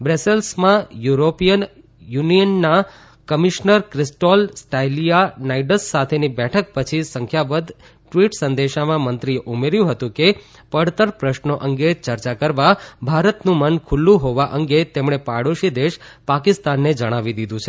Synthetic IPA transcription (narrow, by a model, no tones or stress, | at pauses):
bɾeselsmãjuɾopijən | junijənːa | kəmiʃnəɾkɾisʈolsʈailijanaiɖəsːat̪ʰenibɛʈʰək̚pət͡ʃʰisəŋkʰjabəd̪ | ʈʋiʈsənd̪eʃamãmənt̪ɾijeʔumeɾjũɦət̪ũke | pəɽt̪əɾpɾəʃnoʔəŋɡet͡ʃəɾt͡ʃakəɾʋabʱaɾət̪nũmənkʰulːũɦoʋaʔəŋɡet̪emɳ̃epaɽoʃid̪eʃpakist̪anːed͡ʒəɽ̃aʋid̪id̪ũt͡ʃʰe